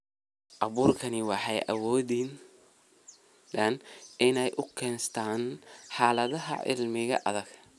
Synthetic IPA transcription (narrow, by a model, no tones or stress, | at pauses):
ʔɐβuːrkʰɐnɪwɑħɑjʔɐ̰wɔːðin | d̪ɐnʔɪnɛjʔʊkʰɛːnst̪ʰaːnħaːlɐðɐɦɐ̰ʔɪ̰lmɪɣɐʔɐ̰ðɐɡ